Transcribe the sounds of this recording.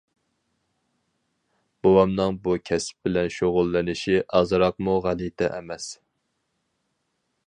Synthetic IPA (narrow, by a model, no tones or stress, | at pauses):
b̥owɑmnɨŋbukʲʰɛsp̚bɪlɛnʃoʁʊlˠːɪnɪʃiʔɑzɨɾɑq̚muʁælit̪ʰɛʔɛmɛs